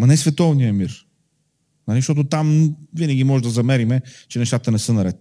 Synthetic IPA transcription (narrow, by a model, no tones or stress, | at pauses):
mɐnɛɛsvɛt̪ɔvnijəmiɾ | nɐliʃt̪ɔt̪̬ot̪amvinɐɡʲimɔʒɛd̪ɐzɐmɛɾimɛt͡ʃɛnɛʃt̪at̪ənɛsənɐɾɛt̪